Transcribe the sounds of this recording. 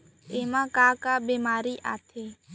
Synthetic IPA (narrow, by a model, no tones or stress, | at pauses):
eːmãːkaːkaːbeːmaːɾiːʔa̰ːt̪ʰeː